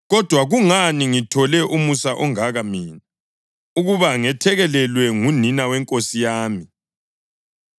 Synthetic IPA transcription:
ɣɔd̥ʱwaɣuŋaniŋitʰɔlɛʔumusaʔɔŋaɣamiːna | uɣuβaŋɛtʰɛɣɛlɛlwɛŋuninawɛŋkʼosijaːmi

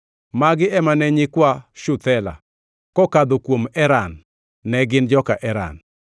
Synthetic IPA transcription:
maɡɪɛmanɛɲɪkwaʃʊt̪ɛla̰ | kɔkad̪okwomɛɾanː | ɛɡɪnd͡ʒɔkaʔɛɾa̰n

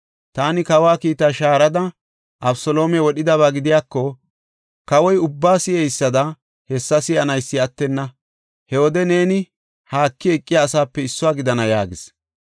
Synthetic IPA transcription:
t̪aːnɪkɐwaːkiːt̪aːʃaːɾɐd̪ɐ | ʔɐbsɔlo̞ːmɛwɔɗɪd̪ɐβaːɡɪd̪ɪjaːkːɔ | kɐwɔjʊbːaːsɪɛjsːɐd̪ɐ | hɛsːɐsɪɐnɐjsːɪɐt̪ːɛnːɐ | hɛwɔd̪ɛne̞ːnɪ | haːkːɪɛkʼːɪjaːsaːpːɛɪsːʊwaːɡɪd̪ɐnɐja̰ːɡɪs

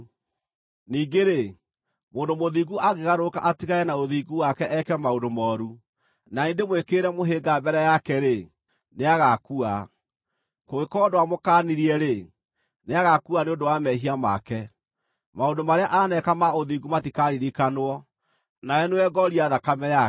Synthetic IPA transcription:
niːɡeɾe | moːndomoðiɡuaɣeɣaɾoka̰ʔatiɣaɛnaoðiɡuwakɛʔɛkɛmaondomɔːɾu | naendemwekeɾɛmoɦeɡabɛɾɛjakɛɾe | neaɣakua | koɣekɔdoamokaniɾiɛɾe | neaɣakuaneondowamɛɦiama̰kɛ | maondomaɾeaʔanɛkamaoðiɡumatikaɾiɾikanwɔ | naɛnewɛɡɔɾiaðakamɛja

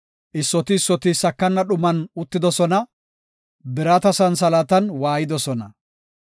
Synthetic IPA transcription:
ʔɪsːɔt̪ɪsːɔt̪ɪsɐkːɐnːɐɗʊmɐnʊt̪ːɪd̪ɔsɔnɐ | bɪɾɐt̪ɐsɐnsɐlɐt̪ɐnwaːjɪd̪ɔsɔnɐ

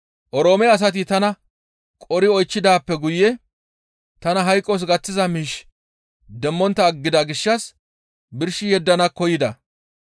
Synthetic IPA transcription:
ʔɔɾo̞ːmɛɐs̬ɐt̪̬ɪt̪ɐnɐ | kʼɔɾɪɔjt͡ʃːɪd̪aːpːɛɡʊjːɛ | t̪ɐnɐɦɐjkʼːɔs̬ɡɐt͡sːɪzɐmiːʃ | d̪ɛmːɔnt̪ːɐːɡːɪd̪ɐɡɪʃːɐs | bɪɾʃɪjɛd̪ːɐnɐkːɔjɪd̪ɐ

